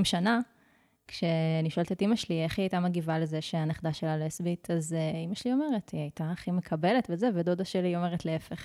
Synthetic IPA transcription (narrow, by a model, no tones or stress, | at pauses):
imʃana | kʃeniʃoalt̪etimaʃlieχiajtamaɡivalezeʃeaneχd̪aʃelalesbitʰazeimaʃlio̞me̞ʁetiajtaχimekʰabe̞letvezeved̪od̪aʃelio̞me̞ʁetleefeχ